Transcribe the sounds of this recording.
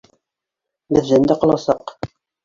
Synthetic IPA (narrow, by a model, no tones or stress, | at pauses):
bɘ̆ðʒænd̪æqɑlˠɑsɑq